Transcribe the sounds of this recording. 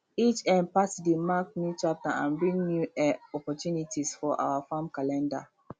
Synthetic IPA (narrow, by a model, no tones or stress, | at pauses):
it͡ʃɛ̃n̚pasdemak̚nutɹap̚taã̰nbɹĩŋnjuɛɔpɔtjunitʰisfɔʔa̰wafãmkalɛ̃nda̰